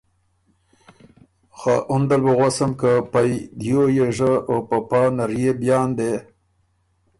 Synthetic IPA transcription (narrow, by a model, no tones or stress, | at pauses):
xaʔʊnd̪albəɣasamkapajd̪jojeʐəopapɑnaɾjebjɑːnd̪e